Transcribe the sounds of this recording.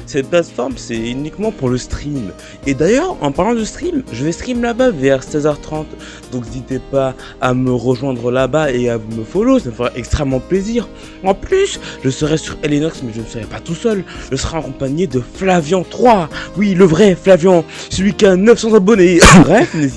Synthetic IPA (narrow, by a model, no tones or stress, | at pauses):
sɛt̪̚plat̪fɔʁmsɛynikmɑ̃puʁləst̪χim | ed̪ajœʁɑ̃paʁlɑ̃d̪əst̪χimʒəvɛst̪χimlabavɛʁsɛzœʁt̪χɑ̃t̪ | d̪ɔ̃kezit̪epaː | məʁəʒwɛ̃d̪ʁəlabaeavuməfolosaməfəʁaʔɛkst̪χɛmːɑ̃pleziʁ | ɑ̃plysʒ̥əsəʁɛsyʁelenɔksmɛʒənəsəʁɛpat̪usœlʒ̥əsəʁɛakɔ̃paɲed̪əflavjɑ̃t̪χwawiləvʁɛflavjɑ̃səlɥikʲianəfsɑ̃zabɔnebʁɛfnezi